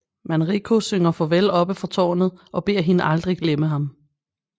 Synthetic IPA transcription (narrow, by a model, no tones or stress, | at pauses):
mænʁikʰo̝søŋɐfɒ̽ʋelɒ̽b̥əfɒt͡sʰɒ̰ːnð̩ˠʔɒ̽b̥e̝ɐ̰ɦe̝nəʔɑ̈ld̥ʁiɡ̥leməɦɑ̈m